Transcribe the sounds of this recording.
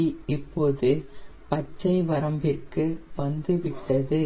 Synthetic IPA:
ɪpːoːðɯpɐt͡ʃːɐɪʋɐɾɐmbɪrkɯʋɐnd̪ɯʋɪʈːɐðɯ

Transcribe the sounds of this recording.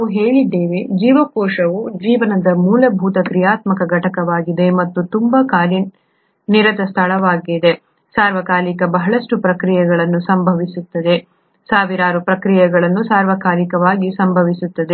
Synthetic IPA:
uɦeːɭid̪ːe̞ːʋed͡ʒiːʋɐkɔːʂɐʋud͡ʒiːʋɐnɐd̪ɐmuːlɐbʱuːt̪ɐkɾijaːt̪mɐkɐɡɐʈɐkɐʋaːɡid̪e̞mɐt̪ːut̪umbɐkaːli | niɾɐt̪ɐst̪ʰɐɭɐʋaːɡid̪e̞ | saːɾʋɐkaːlikɐbɐɦɐɭɐsʈupɾɐkɾijɛɡɐɭɐnːusɐmbʱɐʋisut̪ːɐd̪e̞ | saːʋiɾaːɾupɾɐkɾijɛɡɐɭɐnːusaːɾʋɐkaːlikɐʋaːɡisɐmbʱɐʋisut̪ːɐd̪e

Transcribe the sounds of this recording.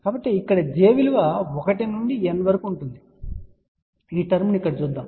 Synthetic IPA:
kaːbɐʈːeikːɐɽɐd͡ʒeːʋiluʋɐɔkɐʈinuɳɖienːɐʋɐɾɐkuːɳʈund̪i | iːʈɐɾmunikːɐɽɐt͡ʃuːd̪ːaːm

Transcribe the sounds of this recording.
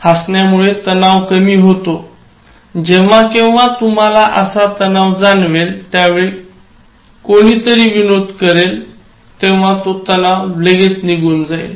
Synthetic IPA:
hasɳjamuɭet̪ənaʋkəmiːɦot̪o | d͡ʑeʋakĩw̃ʋat̪um̤alaʔəsat̪ənaʋd͡zanʋelt̪jaʋeɭi | koɽ̃iːt̪əɾiːʋinod̪ʱkəɾel | t̪ẽʋat̪ot̪ənaʋbleɡet͡sniɡuːnd͡zaj̰l

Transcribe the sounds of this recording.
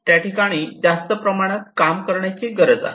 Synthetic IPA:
t̪jaʈikaɽ̃iːd͡zast̪əpɾəmaɽ̃əkamkəɾɳjat͡ɕiɡəɾəd͡za̰ɦ

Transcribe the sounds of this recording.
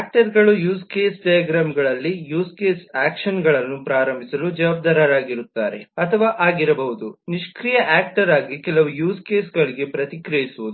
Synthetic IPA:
aːk̚ʈɐɾɡɐɭujuːskeːsʈɐjaɡɾaːmɡɐɭɐlːijuːskeːsaːkʂɐnɡɐɭɐnːupɾaːɾɐmbʱisɐlud͡ʒɐʋaːb̚d̪aːɾaɾaːɡiɾut̪ːaːɾe̞ɐt̪ʰɐʋaːʔaːɡiɾɐbɐɦud̪uniʃkɾijɐʔaːk̚ʈɐɾaːɡikɛlɐʋujuːskeːsɡɐɭiɡe̞pɾɐt̪ikɾɐjisuʋud̪u

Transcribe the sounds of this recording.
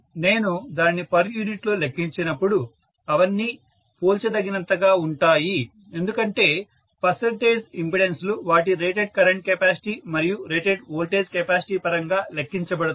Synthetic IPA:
ne̞ːnud̪aːnːipɐɾjuːniʈlo̞ːlekːiɲt͡ʃinɐpːuɽu | ɐʋɐnːiː | poːlt͡ʃɐd̪ɐɡinɐnt̪ɐɡaːuɳʈaːji | end̪ukɐɳʈe̞ː | pɐsɐnʈeːd͡ʒimpiɽensluʋaːʈiɾe̞ːʈeɖ̚kɐɾɐɳʈ̚kepaːsi̥ʈiːmɐɾijuɾeːʈeɖoːlʈeːd͡ʒkepaːsi̥ʈiːpɐɾɐŋɡaːlekːiɲt͡ʃɐbɐɽɐd̪u

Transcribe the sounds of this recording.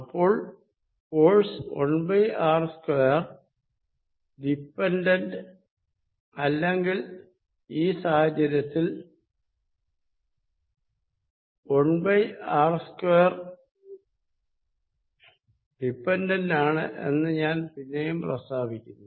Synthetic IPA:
ɐpːo̞ːɭ | fo̞ːɻso̰ɳbɐjaːrskojɐr | ɖipːendɐndɨ | ɐlːeŋɡil | iːsaːhɐd͡ʑɐɾɐt̪ːil | o̞ɳbɐjaːrskojɐr | ɖipːendɐndaːɳɨ̰ʔḛnːɨɲaːnpinːejumprɐst̪aːbʱikʲːunː

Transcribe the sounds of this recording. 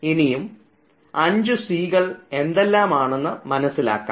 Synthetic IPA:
inijum | ɐɲd͡ʑɨsiːɣɐɭe̞nd̪e̞lːaːmaːɳenːɨmɐnɐsːila̰ːkːa̰ː

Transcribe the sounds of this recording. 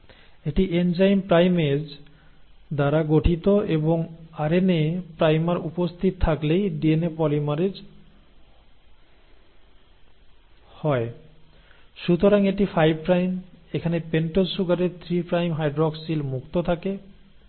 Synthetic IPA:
eʈiʔend͡ʑajnpɾajmed͡ʑ | d̪aɾaɡoʈʰit̪oeboŋaɾenepɾajmaɾupost̪ʰit̪̚t̪ʰaklejɖienepɔlimaɾed͡ʑ | hɔe | ʃut̪oɾaŋeʈifajb̚pɾajmekʰanepeɳʈolʃuɡaɾeɾt̪ʰɾipɾajmɦajɖɾɔksilmukt̪ot̪ʰake

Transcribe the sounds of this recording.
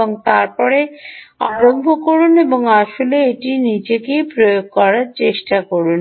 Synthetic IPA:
oŋt̪aɾpɔɾeaɾombʱokoɾuneboŋaʃoleeʈinid͡ʑekejpɾojoɡ̚kɔɾaɾt͡ɕeʃʈakoɾun

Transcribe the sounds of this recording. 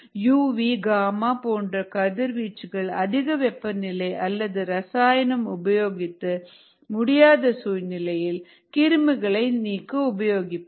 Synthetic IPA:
juːʋiːɡaːmaːpoːndrɐkɐðɪɾʋiːt͡ʃːɯɣɐɭɐðɪɣɐʋɛpːɐnɪlɐɪʔɐlːɐðɯɾɐsaːjɐnɐmʊbɐjoːɣɪt̪ːɯ | mʊɽɪjaːðɐsuːɻnɪlɐjɪl | kɪɾɯmɯɣɐɭɐɪniːkːɯʊbɐjoːɣɪpː

